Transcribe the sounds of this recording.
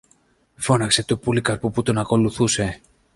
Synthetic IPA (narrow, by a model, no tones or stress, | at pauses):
fo̞nɐkse̞t̪opulikɐɾpuput̪o̞nɐko̞luθuse̞